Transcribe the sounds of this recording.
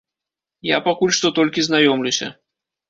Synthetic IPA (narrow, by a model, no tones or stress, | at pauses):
ja̰pakulʲʂt̪ɔt̪ɔlʲkʲiznajɔmlʲusʲɐ̰